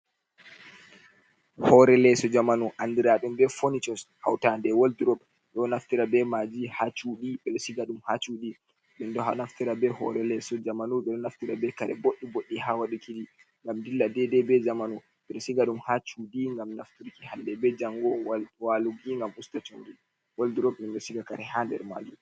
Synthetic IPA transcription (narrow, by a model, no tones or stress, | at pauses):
hɔɾɛlɛsɔd͡ʒamanuʔandiɾaɗumbɛfonit͡ʃɔsha̰wtandɛwoldiɾɔb | ɗɔnaftiɾabɛmad͡ʒihat͡ʃuɗiɓɛɗɔsiɡaɗumhat͡ʃuɗi | ɓɛndɔhanaftiɾabɛhɔ̰ɾɛlɛsɔd͡ʒamanuɓɛɗɔnaftiɾabɛkaɾɛ̰boɗːiboɗːihawaɗukidi | ŋɡamdilːadɛdɛbɛd͡ʒamanu | ɓɛɗɔsiɡaɗumhat͡ʃuɗiŋɡamnaftuɾkihandɛbɛd͡ʒaŋɡɔwaluɡiŋɡamustat͡ʃoŋɡi | walduɾɔp̚ɗɛnɗɔsiɡaka̰ɾɛhandɛ̰ɾma̰ːd͡ʒu